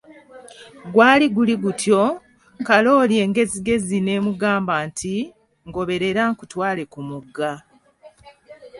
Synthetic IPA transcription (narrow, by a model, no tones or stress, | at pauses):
ɡwaːliɡuliɡutjo̞ | kalo̞ːlje̞ːŋɡe̞ziɡe̞zine̞ːmuɡaːmbaːntʰi | ŋɡo̞βe̞ɾe̞ɾaŋkutwaːle̞kumuɡːa